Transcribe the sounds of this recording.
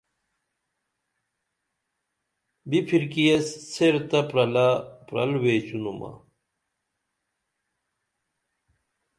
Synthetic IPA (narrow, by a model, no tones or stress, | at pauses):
bipʰiɾkijɐsseɾt̪ɐpɾɐlapɾɐ̰lweːt͡ɕunumɐ̰